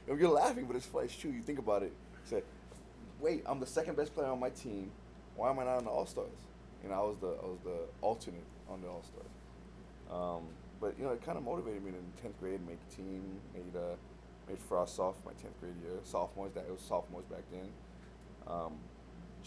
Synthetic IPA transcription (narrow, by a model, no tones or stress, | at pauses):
joʊjə˞læfɪ̃ŋbʌɾɨtsfḛɪstʰɹ̥ʉjɨθɪ̃ŋkəbaʊɾɪt̚ | sɛ | weɪtã̰ɪ̃mðəsɛkɨ̃nbɛspʰl̥eɪə˞ə̃nmaɪtʰĩm | wʔaɪə̃maɪnəɾ̃n̩ðiɔ̰lˠstɑ̰ɹz̥ | ɨ̰naɪwʌzðia̰ɪwʌzðiʔʌlˠtʰənɨɾʔə̃n̩ðiɔlˠstɑ̰ɹz̥ | ʔʌ̃m | b̥ʌʔjɨ̰noʊɨt̚kʰãɪ̃ndəmoʊɾɨveɪɾɨd̚miɨ̃tʰɛ̃nθɡ̥ɹeɪd̚ⁿmeɪktʰĩmmeɪɾʌ | mʔeɪd̥fɹɑsɔfma̰ɪtʰɛ̃nθɡ̥ɹeɪɾjɪsɔftmɔɪzðɨɾɪwʌ̥sɔf̚mɔɪzbæk̚dɨ̃n | ʔʌ̃m